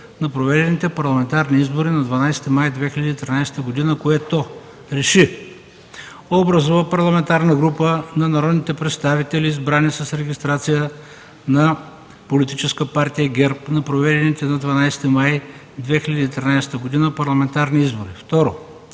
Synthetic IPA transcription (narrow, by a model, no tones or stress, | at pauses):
nɐpɾovɛd̪ɛnit̪ɛpɐɾlˠɐmɛnt̪aɾniizboɾinɐd̪vɐnajsɛ̥t̪imajd̪vɛxilʲɐd̪iːt̪ɾinajsɛ̥t̪əɡod̪inəkoɛt̪o | ɾɛʃi | obɾɐzuvəpɐɾlˠɐmɛnt̪aɾnəɡɾupənɐnɐɾɔd̪nit̪ɛpɾɛt̪st̪avit̪ɛliːzbɾanisɐsɾɛɡʲist̪ɾat̪sijə | nɐ | polit̪it͡ʃɛskəpaɾt̪ijəɡʲɛɾpnɐpɾovɛd̪ɛnit̪ɛnɐd̪vɐnajst̪imaj | d̪vɛxilʲɐd̪iːt̪ɾʲinajsɛ̥t̪əɡod̪inəpɐɾlˠɐmɛnt̪aɾniizboɾift̪ɔɾo